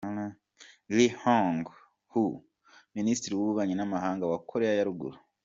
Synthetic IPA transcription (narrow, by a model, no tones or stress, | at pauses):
na | lihoŋɡ | hu | ministiɾiwuβuβaɲinamaɦaːŋɡawakʰoɾeajaɾuɡṵɾu